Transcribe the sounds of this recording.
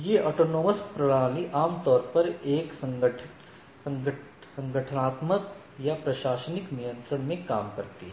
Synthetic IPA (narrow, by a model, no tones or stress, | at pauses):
jeʔɔːʈoːnoːməspɾɐɽaːliʔaːmt̪ɔːɾpɐɾeːksə̃ŋɡʈʰ | sɐ̃ŋ | sɐ̃ŋɡʱəʈʰənaːt̪mək | japɾɐʃaːʃənɪknijə̃nt̪ɾəɳmẽkaːmkɐɾt̪iɦɛ